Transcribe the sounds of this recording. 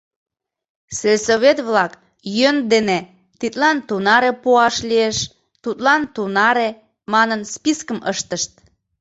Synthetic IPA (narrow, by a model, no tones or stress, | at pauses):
selʲsoβet̪βlɑk | jønd̪ene | t̪it̪lɑnt̪unɑɾepuɑʃlieʃ | t̪ut̪lɑnt̪unɑɾe | mɑnənspiskəmʔəʃt̪əʃt̪̚